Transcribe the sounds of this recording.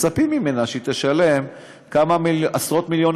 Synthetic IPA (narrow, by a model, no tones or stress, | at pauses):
t͡sapimime̞naʃet̪eʃale̞m | kamaiasʁo̞t̪miljo̞n